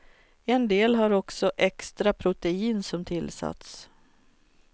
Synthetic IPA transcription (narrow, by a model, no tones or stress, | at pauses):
ɛnd̪eːlɦaɾɔksɔʔɛkst̪ɾapʰɾʊt̪ɛiːnsɔmt̪ʰɪlsa̰t̪s